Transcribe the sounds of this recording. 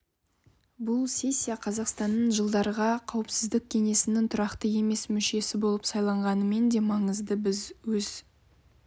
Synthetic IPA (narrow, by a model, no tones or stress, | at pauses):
bʊlˠsʲe̞sʲːijaqʰɑzɑqst̪ɑnːəɴʒəlˠd̪ɑɾəʁɑqʰɑwəpsɪzd̪ɪk̚ʲkʲʰe̞ŋe̞sɪnɪŋt̪ʰʊɾɑqt̪əje̞me̞smʏʃe̞sɪbo̞lˠəpsɑjlˠɑɴʁɑnəme̞nd̪e̞mɑɴəzd̪əbɪzwɵz̥